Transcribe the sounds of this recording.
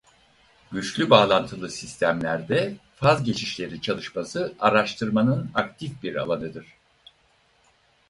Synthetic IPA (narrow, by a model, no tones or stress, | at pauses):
ɟyt͡ʃlʲybaːlˠant̪ʰɯlˠɯsist̪ʰæmlʲæɾd̪ɛfazɟe̞t͡ʃʰiʃlʲe̞ɾit͡ʃʰalˠɯʃmasɯaɾaʃt̪ʰɯɾmanɯnak̚t̪ʰifbiɾa̰lˠanɯd̪ɯɾ̝̥